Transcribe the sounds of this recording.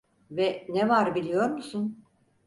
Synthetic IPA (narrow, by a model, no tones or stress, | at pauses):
vɛnɛvaɾbilʲijo̞ɾmusun